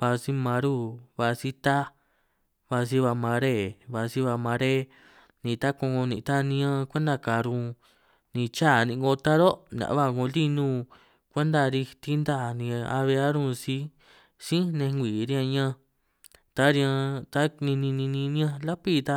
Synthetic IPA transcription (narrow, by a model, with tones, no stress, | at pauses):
βa˧si˦mã˧ɾu˦βa˧si˦t̪a˦ | βa˧s̬i˦βa˧mã˧ɾe˦˨βa˧si˦βa˧mã˧ɾe˦ | nĩ˧t̪a˦kõ˧ŋõ˧nĩ˧t̪a˦nĩ˧˦ã˧kʷe˦nd̪a˧˨ka˨ɾũ˧ | nĩ˧t͡ʃa˦˨nĩ˧˨˧ɡo˧t̪a˦ɾo˦n˧ã̰˨ʔβa˦˧˨ŋõ˧li˦nũː˧ | kʷe˦nd̪a˧ɾi˧t̪i˦nd̪a˦˧˨nĩ˧a̰˧βe˧a˦ɾũ˦˧si˧˦ | sĩ˦nẽ˧ŋɡʷiː˨ɾĩ˧ã˧ɲã˦˧ | t̪a˦ɾã˧t̪a˦nĩ˧nĩ˧nĩ˧nĩ˧nĩ˦ã˧la˦pi˦t̪a˦